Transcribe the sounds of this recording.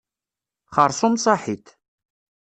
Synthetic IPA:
χɑɾˤsˤʊmsˤɑħit̪

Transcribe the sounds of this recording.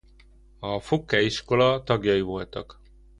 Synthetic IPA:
ɒfokːɛiʃko̞lɒt̪ɒɡjɒivo̞lt̪ɒ̰k

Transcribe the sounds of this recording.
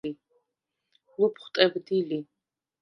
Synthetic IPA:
i | lupʰχʷt̪ʼɛbd̪ili

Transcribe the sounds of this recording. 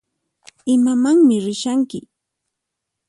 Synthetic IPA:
ɪmamaŋmɪɾɪʃaŋkɪ

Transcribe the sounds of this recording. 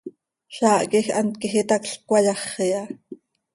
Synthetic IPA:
ɬɑːʔkixɑnt̪̚kixit̪ɑkɬkʷɑjɑχijɑ

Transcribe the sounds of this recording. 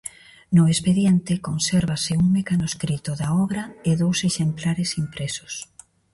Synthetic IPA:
nʊespeðjent̪ɪkonseɾβasɪuŋmekanoskɾit̪ʊðaɔβɾaeðowseʃemplaɾesimpɾesʊ̥s

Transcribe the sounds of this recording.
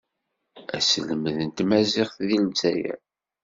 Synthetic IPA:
æsələmðənt̪mæzɪχθðilzæjæ̰

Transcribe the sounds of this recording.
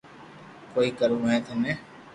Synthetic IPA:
koːiːkəɾũːɦɛ̃ːt̪onẽː

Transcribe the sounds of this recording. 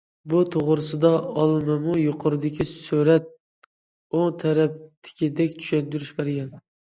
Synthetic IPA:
but̪ʰoʁɾɨsɪd̪ɑɑlˠmamʊjoqʰʊɾɨd̪ɪkʲʰisuɾæt̪̚ | oŋt̪ʰæɾæp̚t̪ʰɪ̥kʲid̪ɛkʲt͡ʃ̪ʰy̥ʃand̪yɾyʃbeɾɡʲɛn

